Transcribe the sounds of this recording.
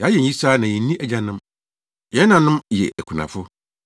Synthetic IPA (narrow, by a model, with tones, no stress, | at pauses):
jɛ˨a˦jɛ˨i˦saː˦nã˨jɛ˨˦nĩ˦ʔæ˦d͡ʑã˨nʊ̃˦m | jɛ˨˦nã˨nʊ̃˦mjɛ̰˨æ˨kʷʰu˨nã̰˨fʊ˦